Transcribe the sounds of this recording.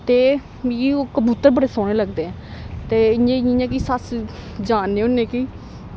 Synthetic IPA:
t̪eː | ioːkəbuːt̪əɾbəɽeːsoːɽ̃eːləɡd̪eːɛ̃ | t̪eːɲẽːĩɲãːkisasd͡ʒaːnːeːʊnːẽːki

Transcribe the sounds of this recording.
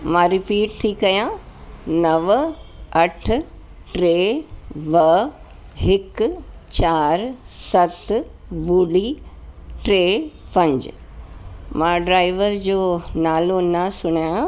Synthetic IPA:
mãːɾɪpiːʈ̚t̪ʰikɐjãnɐʋɐʈʰʊ̆ | ʈɾeːʋɐ | ɦɪkt͡ɕaːɾsɐt̪buːli | ʈɾeːpɐ̃ɲd͡ʑ̰ | mãːɖɾaːɪʋəɾd͡ʑoːnaːlonɐsʊɽ̃ija

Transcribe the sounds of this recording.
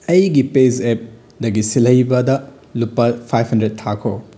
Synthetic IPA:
ɐjɡiped͡ʒep̚ | dɐɡisilɐjbɐdɐ | lupːɐpʰajphɐndɾet̚tʰːakʰo

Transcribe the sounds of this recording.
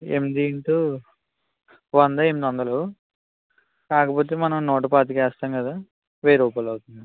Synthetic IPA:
ḛmd̪iɳʈu | ʋɐnd̪ɐemd̪ɐnd̪ɐloː | kaːkɐpo̞ːt̪eːmɐnɐmnoːʈ̬ɐpaːt̪̬ikɛːst̪aːŋkɐd̪aː | ʋeːɾuːpɐlɐwt̪und̪i

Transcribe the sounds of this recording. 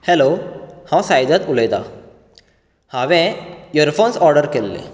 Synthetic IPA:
helohãwsajd̪at̪uləjt̪a̰ | hãʋɛ̃jəɾfonsɔɾɖəɾkelːḛ

